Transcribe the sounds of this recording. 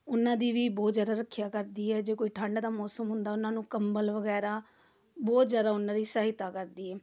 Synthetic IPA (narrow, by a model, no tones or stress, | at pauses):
ʊnːãːd̪iːʋiːbɔːt̪zjaːd̪aːɾəkʰːɪjaːkəɾd̪iːɦɛːd͡ʒeːkoːiːʈʰãːɳɖaːd̪aːmɔːsəmɦʊ̃nd̪aːʊnãːnũːkəmbəlʋəɡɛːɾaː | bɔːt̪zjaːd̪aːʊnːãːɾiːsaːɦɪt̪aːkəɾd̪iːɦɛː